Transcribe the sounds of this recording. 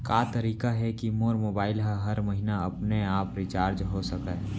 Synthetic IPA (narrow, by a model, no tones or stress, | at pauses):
kaːt̪əɾiːkaɦɛkimoːɾmoːbaːɪlɦəɦɐɾmɐɦinaɐpneaːpɾɪt͡ʃaːɾd͡ʒɦosɐka